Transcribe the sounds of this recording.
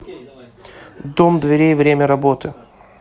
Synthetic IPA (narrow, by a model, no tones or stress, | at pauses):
d̪omd̪vʲɪɾʲejvɾʲemʲəɾɐbo̞t̪ɨ